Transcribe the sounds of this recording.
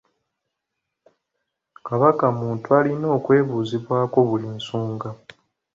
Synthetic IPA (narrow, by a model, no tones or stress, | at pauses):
kaβakamuːntualino̞ːkwe̞ːβuːziβwaːko̞βuliːnsuːŋɡa